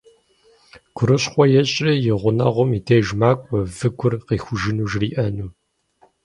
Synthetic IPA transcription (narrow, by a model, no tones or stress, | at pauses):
ɡ̥ʷʰʊɾɨɕχʷɔjɛɕʼijɪʁʷʊnɐ̰ʁʷʊmitʰeːʒmaːkʷʼɔvɨɡʷʰʊrqiːxʷʊʒɪnuːʒriːʔɐnuː